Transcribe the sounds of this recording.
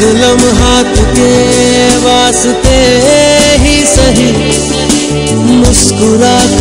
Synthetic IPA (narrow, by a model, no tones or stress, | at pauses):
ɪlɐmɦaːt̪keːʋaːs | t̪eː | ɦisɐɦi | mʊskʊɾaːt̪